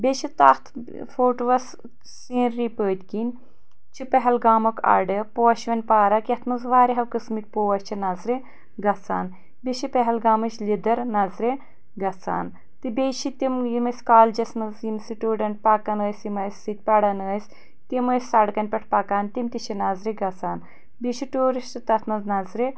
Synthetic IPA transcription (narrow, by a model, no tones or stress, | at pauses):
beʃit̪aht̪ʰ | fʰoːʈʋɐs | siːɾːipəːd̪ʲkinʲ | t͡ʃʰipɐɦɐlɡaːmɐkʰa̰ɖɨpoːɐʃʋɐnʲpaːɾɐkʲɐt̪ʰmɐzʋaːɾiɦɐwkɨsmik̚ʲpoːɐsʲt͡ʃʰinɐzɾe | ɡɐt͡sa̰ːn | bʲeʃipɐɦɐlɡaːmɨt͡ʃlʲid̪ɐɾnɐzɾe | ɡɐt͡sa̰ːn | t̪ɨbʲejʃʰit̪imjimɐsʲkaːld͡ʒɐsnɐzjimsiʈuːɖɐɳʈ̚paːkɐnəːsimɐːsʲːit̪̚ʲpɐɽɐnəːsʲ | t̪imɐːsʲsɐɽkɐnʲpʲɐʈʰpaːkaːnt̪imt̪it͡ʃʰinazɾiɡɐt͡saːn | bʲiʃiʈuːɾiʃʈɨt̪ɐt̪ʰmɐznɐzɾi